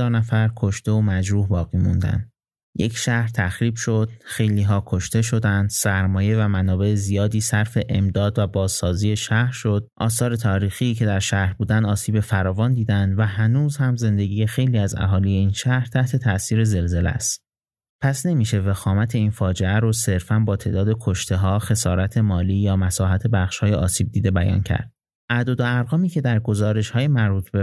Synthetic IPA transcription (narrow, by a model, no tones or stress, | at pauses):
ɒːɾnæfæɾkʰo̞ʃt̪e̞omæd͡ʒɾuːhbɒːɣiːmṵnd̪æ̰nd̪ | je̞cʰʃæhɾt̪ʰæxɾiːb̥ʃod̪̥̚xe̞jliːɦɒːkʰoʃt̪e̞ʃ̬o̞d̪ænd̪̥sæɾmɒːje̞væmænɒːbe̞ezijɒːd̪iːsæɾfe̞ʔemd̪ɒːd̪væbɒːzsɒːziːje̞ʃæhɾʃo̞d̪̥̚ʔɒ̰ːsɒːɾe̞t̪ʰɒːɾiːxiːcʰe̞d̪æɾʃæhɾbuːd̪ænd̪ɒːsiːbe̞fæɾɒːvɒːnd̪iːd̪ænd̪væɦænuːzhæmze̞nd̪e̞ɡʲiːje̞xe̞jliːæzæ̰ɦɒːlije̞iːnʃæhɾt̪ʰæht̪ʰe̞t̪ʰæsiːɾe̞ze̞lze̞lḛst̪ | pʰæsne̞miːʃe̞vexɒːmæt̪ʰe̞iːnfɒːd͡ʒe̞æɾose̞ɾfænbɒːt̪ʰeʔd̪ɒːd̪e̞kʰoʃt̪ʰe̞ɦɒːxe̞sɒːɾæt̪ʰe̞mɒːliːjɒːmæsɒːɦæt̪ʰe̞bæχʃhɒːjeʔɒ̰ːsiːb̚d̪iːd̪ebæjɒ̰ːncʰæ̰ɾd̪̚ | ʔæd̪od̪oæɾʁɒːmiːcʰe̞d̪æɾɡo̞zɒːɾe̞ʃhɒːje̞mæɾbuːt̪ʰbe̞